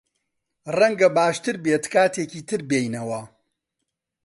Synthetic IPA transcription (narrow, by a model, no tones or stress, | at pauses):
rɐŋɡɐbaːʃt̪ɨɾbeːt̪kaːt̪ʰeːciːt̪ʰɨɾbeːjnɐwɐ